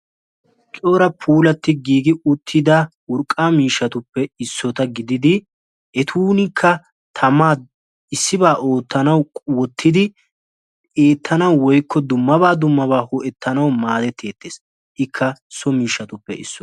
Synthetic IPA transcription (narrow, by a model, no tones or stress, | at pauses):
t͡ʃʼoːɾɐpʰuːlɐt̪ːɪɡiːɡɪʊt̪ʰːɪd̪ɐ | ʊɾkʼːaːmiːʃːɐt̪ʊpːɛɪsːɔt̪ɐɡɪd̪ɪd̪ɪ | ɛt̪ʰuːnɪkʰːɐ | t̪ʰɐmaː | ɪsːɪbaːʔo̞ːt̪ːɐnɐwʼwɔt̪ʰːɪd̪ɪ | eːt̪ʰːɐnɐwwɔjkʰːɔd̪ʊmːɐβaːd̪ʊmːɐbaːhʊʔɛt̪ːɐnɐwmaːd̪ɛt̪ʰːe̞ːt̪ːeːs | ʔɪkʰːɐsɔmiːʃːɐt̪ʊpːɛɪ̰sːɔ